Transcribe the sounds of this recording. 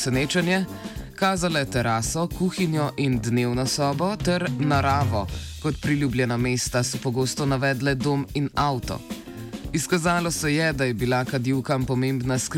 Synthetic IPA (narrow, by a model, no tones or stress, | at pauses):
sɛneːt͡ʃɛnjɛ | kaːzalajt̪ɛɾaːsɔkuːxinjɔʔind̪neːwnɔsɔːbɔt̪ɛɾnaɾaːʋɔkɔt̪pɾilʲjuːbljɛnameːst̪asɔpɔɡoːst̪ɔnaʋɛːd̪lɛd̪oːminawt̪ɔ̰ | iskazaːlɔsɛjɛd̪ajɛbilakad̪iwkampɔmeːmbnask